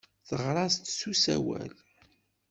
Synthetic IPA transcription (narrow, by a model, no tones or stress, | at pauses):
θəʁɾˤɑst̪susæ̰wæ̰l